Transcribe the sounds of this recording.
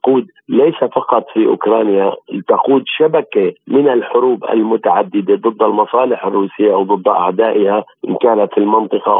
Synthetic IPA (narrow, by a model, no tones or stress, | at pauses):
quːd̪ | lejsafɑqɑt̪ˤfiʔʊ̰kɾˤɑːnjat̪aquːd̪ʃabakemɪnalħʊɾuːbʔa̰lmʊt̪aʕad̪ːɪd̪ed̪ˤɨd̪ˤːalmɑsˤɑːlɪħarːuːsɪjːawd̪ˤɨd̪ˤːʔa̰ʕd̪aːʔɪhaʔɪnkaːlat̪filmɑnt̪ˤɨqɑ